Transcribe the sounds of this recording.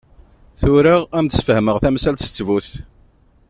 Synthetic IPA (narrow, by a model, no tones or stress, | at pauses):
θʊɾaʁæmt̪ə̥sfəhməʁθæmsælt̪ə̥t͡sːvuθ